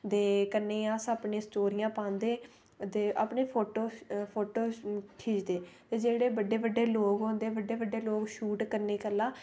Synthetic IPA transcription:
d̪eːkəɾneːaːsaːpɳẽːsʈoːɾijãːpãːnd̪eː | t̪eːʔa̰ːpɳeːpʰoːʈoːpʰoːʈoːʈʰiːd͡ʒd̪eːt̪eːd͡ʒeːɽeːbəɖːeːbəɖːeːloːɡɦõːnd̪eːbəɖːeːbəɖːeːloːɡʃuːʈkəɾneːkəlːãː

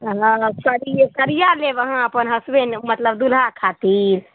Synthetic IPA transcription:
ɦãsəɾik̪əɾijalebəɦãəpənɦəsbenmət̪ləbd̪ulɦakʰat̪iɾ

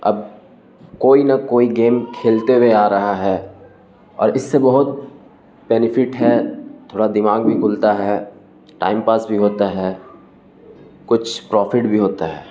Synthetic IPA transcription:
ɐ̰b̚ | koːinɐkoːiɡeːmkʰeːlt̪eweaːɾɐɦaɦɛː | ɔ̰ːɾɪsːebɐɦʊt̪̚ | bɛːnɪfʰɪʈɦɛt̪ʰoːɽad̪ɪmaːɡbʱikʰʊlt̪aɦɛ | ʈa̰ːɪmpaːsbʱiɦoːt̪aɦɛː | kʊt͡ʃʰpɾɔːfɪʈbʱiɦoːt̪aɦɛː

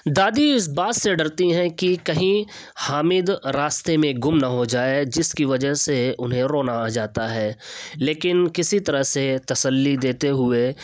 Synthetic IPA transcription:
d̪aːd̪iɪs̬baːt̪seɖɐɾt̪iɦɛ̃kikɐɦĩ | haːmɪd̪ɾaːst̪emẽɡʊmnɐɦod͡ʒaːed͡ʒɪskiʋɐd͡ʒəɦseʊnɦẽɾoːnad͡ʒaːt̪aɦɛːleːkɪnkɪsit̪ɐɾəɦset̪ɐsəlːid̪eːt̪eɦʊe

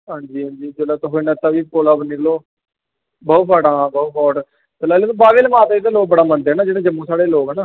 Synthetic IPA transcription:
ɦãːɲd͡ʒiːɦãːd͡ʒiːd͡ʒəlaːt̪oɦonət̪ːaːʋiːkoːlaːbənɪkloː | bɔːt̪paːɽãːbɔːt̪pɔːʈ | t̪əlaːlet̪õbaːʋeːləmaːt̪ːid̪aːloːk̚bəɽaːmənd̪ɦɛːnaːd͡ʒeːɽeːd͡ʒəmːũːsaːɽeːloːkɛnaː

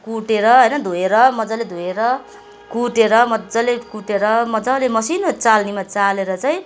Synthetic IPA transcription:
kuʈeɾʌɦʌjnʌd̪ʱoeɾʌmʌd͡zaled̪ʱoeɾʌ | kuʈeɾʌmʌd͡zalekuʈeɾʌmʌd͡zalemʌsinot͡salnimat͡saleɾʌt͡saĩ

